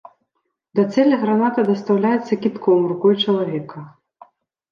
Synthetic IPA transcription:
d̪ɐt̪sɛlʲɐɣɾanat̪ɐd̪ɐst̪awlʲajɛt̪sːɐkʲit̪kʰɔwrukɔjt͡ʂɐlˠavʲɛkɐ

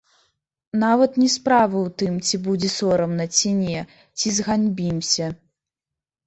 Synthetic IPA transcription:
navɐt̪nʲɛspɾavɨwt̪ɨmt͡sʲibud͡zʲɛsɔɾɐmnɐt͡sʲinʲɛ | t͡sʲizɣanʲbʲimsʲɐ

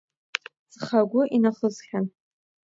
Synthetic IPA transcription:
t͡sχaɡʷʊʔinaχəzχʲan

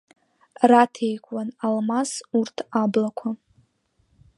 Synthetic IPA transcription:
ratʰejkʷʼwanalmasurtʰablakʷʰa

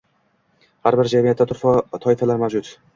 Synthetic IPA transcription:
haɾbɪɾd͡ʒamijat̪ʰːat̪ʰʊɾfɒt̪ʰɒɪfalaɾmavd͡ʒʊt̪

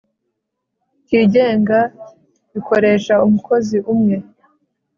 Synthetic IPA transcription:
tiːɟe̞ːŋɡa | βiko̞ɾe̞ːʃaumuko̞ziʔumŋe̞

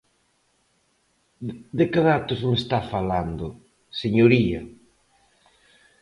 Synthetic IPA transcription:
d̪ɪkɪðat̪ʊzmest̪afaland̪ʊ | seɲoɾiɐ

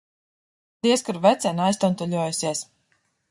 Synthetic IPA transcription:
d̪̥iɛskuɾvɛt̪sɛnajst̪ɔnt̪ɔʎʲuɔjusiɛs

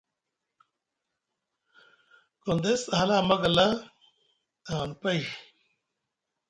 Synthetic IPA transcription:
kond̪esɦalaːmɐɡɐla | aːnpɐi

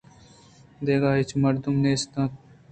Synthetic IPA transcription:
d̪eːɡaːɦet͡ʃʰmɐɾd̪umneːst̪ãː

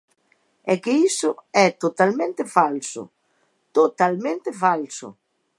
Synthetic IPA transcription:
ɛkɪisʊɛt̪ot̪almẽnt̪ɪfalsʊ̰ | t̪ot̪almẽnt̪ɪfalsʊ̰

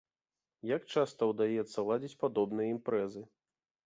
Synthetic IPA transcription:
jakt͡ʂast̪ɐwd̪ajɛt̪sːɐlˠad͡zʲit͡sʲpad̪ɔbnɨjɐimpɾɛzɨ

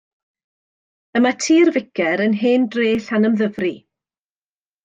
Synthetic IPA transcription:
əmatʰiːrvɪkʰɛɾənɦeːndreːɬanəmðəvri

